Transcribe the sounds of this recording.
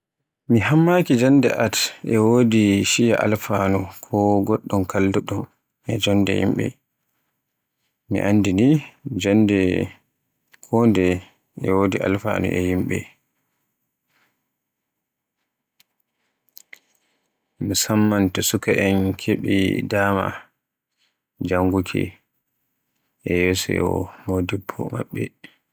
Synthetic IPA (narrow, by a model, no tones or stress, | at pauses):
miɦamːakid͡ʒandɛ̰ʔatɛwodiʃija̰ʔa̰lfanukʰɔɡɔɗːɔmkʰalːuɗum | ɛd͡ʒɔndɛ̰jḭmɓɛ̰ | mḭʔandinid͡ʒandɛ | kʰɔndɛ | ɛwoːdiʔa̰lfa̰nṵʔɛ̰jimɓɛ̰ | misamːantɔsukaʔɛnkʰeɓḭdaːma̰ | d͡ʒaŋɡukʰɛ̰ | ʔɛjɛsɛ̰ɔmodibʰɔ̰ma̰ɓːɛ